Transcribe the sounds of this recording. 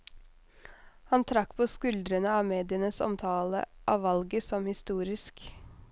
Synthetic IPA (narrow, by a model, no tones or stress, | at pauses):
hɑnt̪ʰɾɑkpʰoːskʉld̪ɾənəɑːʋmeːd̪ɪənəsɔ̰mt̪ʰɑːlə̰ʔɑːʋɑlɡəsɔmhɪst̪uːɾɪsk